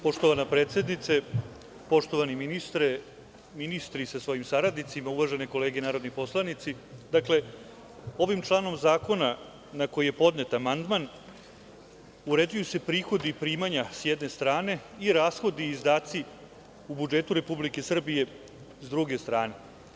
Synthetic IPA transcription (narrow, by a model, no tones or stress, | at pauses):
po̞ʂt̪o̞ʋanapɾeːt̪sje̞d̪nit̪se | po̞ʂt̪o̞ʋaniminist̪ɾe | minist̪ɾisasʋo̞jimsaɾad̪nit̪simauʋaʒe̞neko̞le̞ːɡenaːɾo̞d̪nipo̞slˠanit̪si | d̪akle̞ | o̞ʋimt͡ʃlˠaːno̞mzaːko̞na | nako̞jije̞po̞d̪ne̞t̪amand̪man | uɾed͡ʑujuse̞pɾiːxo̞d̪ipɾiːmaɲasjɛd̪ne̞st̪ɾaːne̞iɾaːsxo̞d̪iːzd̪aːt̪si | ubud͡ʒe̞t̪uɾe̞publike̞sr̩bije̞ | zd̪ɾuɡe̞st̪ɾaːne̞